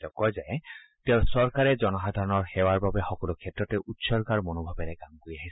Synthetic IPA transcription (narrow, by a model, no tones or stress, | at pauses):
tɔkɔzaɛ | teʊ̃sɔɹkaɹɛd͡ʒɔnɔxad̪ʱaɹɔnɔɹxɛwaɹbabɛxɔkɔlukʰɛtɹɔtɛʔutsɔɹkaɹmonobʱabɛɾɛɡamkoɹiaɦis